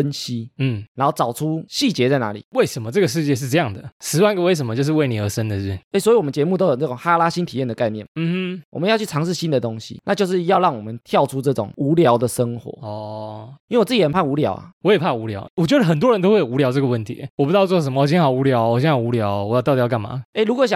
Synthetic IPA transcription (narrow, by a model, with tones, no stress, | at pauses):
fə˦nɕi˦n̩˥˩a˧˦xɑ˥˩t͡sɑ˨˩ʊʈ͡ʂʰu˦ɕi˥˩t͡ɕjɛ˧˦t͡sa˥˩ɪna̰˧˦lḭ˨˩we˥˩ɪʂə˧˦nmə˧ʈ͡ʂɤ˥˩ɡə˩ʂɻ̩˥˧t͡ɕjɛ˥˧ʂɻ̩˥˧ʈ͡ʂɤ˥˧jɑ˥˨˩ŋd̪ə˩ʂɻ̩˧˥wa˥˧nɡə˨˦we˥˩ɪʂ̬ə˧˦mə˦t͡ɕjo˧ʂ̬ɻ̩˧we˥˩ɪni˨˩ə˧˥ʂə˦nd̪ə˨˩˥e˥˩swi˧˨wɔ˨˩mə˦nt͡ɕɛ˧˥mu˥˩t̪o˥jo˨˩nə˥˩o˨˩ŋxa˥la˥ɕi˥nt̪ʰi˨˩jɛ˥˩nd̪ə˩ka˥˧ɪnjɛ˥˩mm̩˥˧m̩˦wɔ̰˨˩ə˦njɑ˥˧t͡ɕʰy˥˩ʈ͡ʂʰɑ˧˥ŋʂɻ̩˥˩ɕi˦˥nd̪ə˨t̪o˦˥ŋɕḭ˨na˥˧t͡ɕjo˥˧ʊʂɻ̩˥˧jɑ˥˧ʊɻɑ˥˩ŋwɔ˨mə˦nt̪ʰjɑ˥˩ʊʈ͡ʂʰu˦˥ʈ͡ʂɤ˥˩ʈ͡ʂʊ̰˨˩ŋu˧˥ljɑ˧˥ʊd̪ə˨ʂə˦˥ŋxwɔ̰˧˦ɔ˧˩i˥we˥˩wɔ˨˩t͡s̩˥˩t͡ɕi˧˩xə˨˩npʰa˥˩u˧˥ljɑ̰˧˥ʊa̰˨˩wɔ˧˥jɛ˨˩pʰa˥˩u˧˥ljɑ˧˦ʊwɔ˨˩t͡ɕɥɛ˧˥d̪ə˧˩xə˨˩nt̪wɔ˦ɻə˧˦nt̪o˥ʊwe˥˩jo˨˩˨u˧˥ljɑ˥ʊʈ͡ʂɤ˥˩ɡə˩wə˥˩nt̪ʰḭ˨˦wɔ˨˩pu˧˥ɑ˥˧ʊt͡swɔ˥˩ʂə˧˦mə˧wɔ˨˩ɕ̬ɛ˥nxɑ˨˩ʊu˧˥ljɑ˧˦ʊɔ˨˩ɕɛ˧˦nxɑ˨˩ʊu˧˥ljɑ˧˦ʊwɔ˨jɑ˥˧t̪ɑ˥˧˩t̪ijka˥˩nma̰˨˩e˥ɪɻu˥kʷwɔ˧˦ɕ̬jɑ˨˦ŋ